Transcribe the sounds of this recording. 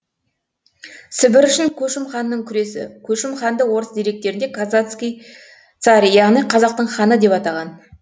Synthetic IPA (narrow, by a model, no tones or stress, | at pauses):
sɪbɪɾʏʃɪŋkʲʰɵʃɪmχɑnːəɴkʲʰʏɾe̞sɪ̰kʲʰɵʃɪmχɑnd̪əwo̞ɾəsd̪ijɾe̞k̚t̪e̞ɾɪnd̪e̞kʰazat̪skʲij | t̪saɾʲijɑʁnijqʰɑzɑq̚t̪əɴχɑnəd̪e̞pɑt̪ɑʁɑn